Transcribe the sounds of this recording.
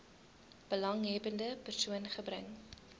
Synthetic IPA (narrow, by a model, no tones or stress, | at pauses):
b̥əlɐŋɦɛbəndəpərsuənχəbræ̰ŋ